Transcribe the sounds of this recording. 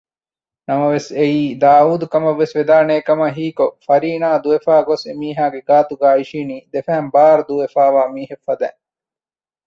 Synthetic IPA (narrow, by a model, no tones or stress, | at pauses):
nɐmɐʋeseiːd̪aːuːd̪ukɐmɐʋːesʋed̪aːneːkɐmɐɦiːkofɐɾiːnaːd̪uʋefaːɡosemiːɦaːɡeɡaːt̪uɡaːiʃiːniːd̪efæɦɛmbaːɾud̪uʋefaːʋaːmiːɦefːɐd̪ɛ̰